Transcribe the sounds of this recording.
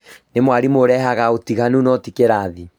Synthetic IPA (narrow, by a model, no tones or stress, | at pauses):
nemwaɾimoɾɛɦaɣaotiɣanunɔtikeɾaði